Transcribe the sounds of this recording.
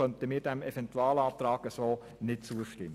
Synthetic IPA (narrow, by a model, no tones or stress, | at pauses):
œnt̪əmɪːɾdæmɛfɛntuɑːlɑːp̚t̪ɾɑːɡəsoː | nɪt̚t͡suəʃtɪmː